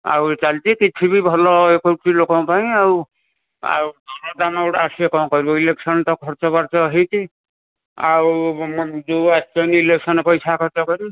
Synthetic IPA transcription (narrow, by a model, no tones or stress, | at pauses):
a̰wt͡ʃalt̪ikit͡ʃʰibibʱɔlɔekoʈʰilokɔw̃paj̃aw | a̰wd̪ʱɔɾɔdamawʈasiekɔmkɔɾibɔileksɔntɔkʰɔɾt͡ʃɔbaɾt͡ʃɔɦiti | a̰wmduatt͡ʃɔjniileksɔnɔpɔjsakʰɔɾt͡ʃɔkɔɾi